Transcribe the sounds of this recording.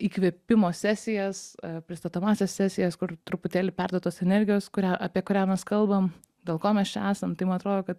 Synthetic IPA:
iːkʋʲiɛpʲɪmoːsʲæːsʲɪjɛspʲɾʲɪst̪ɐt̪ɐmɑːsʲeːsʲsʲæːsʲɪjɛskʊɾt̪ɾʊpʊt̪ʲeːlʲɪpʲærd̪uoɔt̪oːsɛnʲɛɾʲɡʲɪjoːskʊɾʲæːʔɐːpʲiɛkʊɾʲæːmʲɛskɐlˠbɐm | d̪ʲeːlˠkoːmʲɛst͡ʃʲɛæːsɐmt̪ɐɪmɐnɐt̪ɾoːd̪oːkɐt̪

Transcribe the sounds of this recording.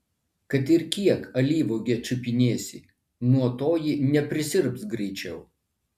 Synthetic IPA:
kɐt̪ɪɾkʲiɛkɐlʲiːʋoɡʲɛt͡ʃʲʊpʲɪnʲeːsʲɪ | nuɔt̪oːjɪnʲɛpʲɾʲɪsʲɪɾpsɡɾʲɛɪt͡ʃʲɛʊ

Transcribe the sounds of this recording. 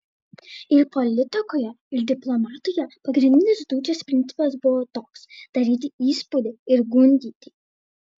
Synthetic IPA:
ɪɾpɔlʲɪt̪ʲɪkoːjɛ | ɪɾd̪ʲɪplˠɔmɑːt̪ʊjɛpɐɡɾʲɪ̃nʲd̪ʲɪnʲɪsd̪uːd͡ʒʲɛspʲɾʲɪnʲsʲɪpɐsbʊʋɔt̪oːksd̪̥ɐɾʲiːt̪ʲɪiːspud̪ʲɪɪɾɡʊnʲd̪ʲiːt̪ʲɪ

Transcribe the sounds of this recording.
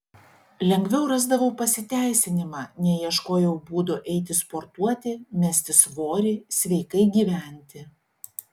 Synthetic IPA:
lʲɛŋʲɡʲʋʲɛʊɾɑzd̪ɐʋɐʊpɐsʲɪt̪ʲæˑɪsʲɪnʲɪmɑːnʲɛjiɛʃkoːjɛʊbuːd̪oʔɛɪt̪ʲɪspoɾt̪uɔt̪ʲɪmʲɛsʲt̪ʲɪsʋoːɾʲɪsʲʋʲɛɪkɐɪɡʲiːʋʲæˑnʲt̪ʲɪ

